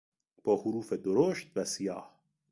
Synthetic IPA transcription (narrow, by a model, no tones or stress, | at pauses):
b̥ɒːhʊɾuːfed̪oɾoːʃt̪̚væsijɑ̰ːh